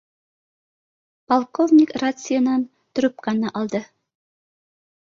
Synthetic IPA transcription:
pɐlˠkovnʲikrat̪sɨjənɑn | t̪ɵ̆ɾɵp̚kɑnɑʔɑlˠd̪ɤ

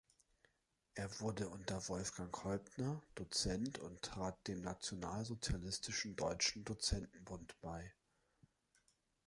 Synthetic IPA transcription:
ʔeːɐvʊɐdəʔʊntɐvɔlfɡ̥aŋhɔlpnɐd̥ot͡sɛntʰʊ̰nttʁ̥aːt̚d̥eːmnat͡sjonaːlzot͡sjalɪstʰɪʃn̩dɔʏt͡ʃn̩dot͡sɛntn̩bʊntb̥aɪ

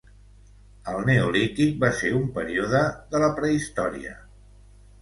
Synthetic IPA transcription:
əlˠneolit̪ik̚baseumpəɾioðəðələpɾəist̪ɔɾḭə̰

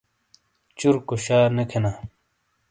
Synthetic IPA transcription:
t͡ɕuɾkoɕaːnekʰenaː

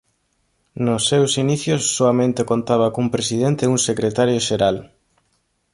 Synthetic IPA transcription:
nosːewsiniθjosːoamẽnt̪ekont̪aβ̞akumpɾesiðent̪euŋsekɾet̪aɾjoʃeɾal

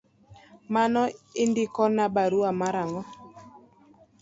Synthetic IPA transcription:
manɔɪndɪkɔnabaɾuamaɾaŋɔ

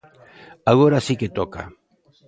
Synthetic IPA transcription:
aɣoɾasiket̪oka̰

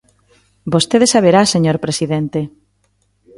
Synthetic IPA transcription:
bost̪eðesaβeɾaseɲoɾpɾesiðent̪e

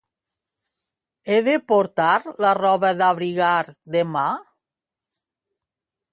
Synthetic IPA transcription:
eðepoɾt̪aɾlarɔβaðaβɾiɣaɾd̪ema

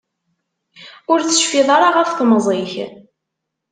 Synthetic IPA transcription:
ʊɾt͡sːə̥ʃfiðˤɑɾˤɑʁəfθmzˤeç

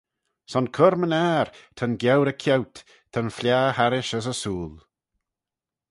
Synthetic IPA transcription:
sɔnkʰʊɾmənɛːɹt̪ʰənɡjɛwɾəkʰɛwt̪ | tʰənflʲjaːhaɾɪʃəs̬əsuːlˠ

